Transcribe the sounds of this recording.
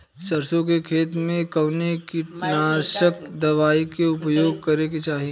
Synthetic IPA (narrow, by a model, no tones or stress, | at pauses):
sɐɾsõkekʰeːt̪mẽkɐʋnekipnaːʃəkd̪ɐʋaːikeʊpjoːɡ̚kɐɾeket͡ʃaːɦie